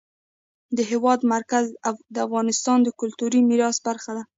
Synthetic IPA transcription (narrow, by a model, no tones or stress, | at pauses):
d̪əɦewɑd̪maɾkazd̪əafɣɑnɪst̪ɑnd̪əkʊlt̪uɾimiɾɑsbaɾxad̪a